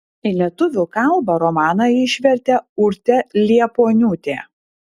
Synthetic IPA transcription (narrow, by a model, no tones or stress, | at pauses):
ɪlʲiɛt̪ʊʋʲʊkɐlˠbɐɾɔmɑːnɐɪʃʲʋʲɛɾʲt̪ʲɛʊɾʲt̪ʲɛlʲiɛpoːnʲuːt̪ʲḛː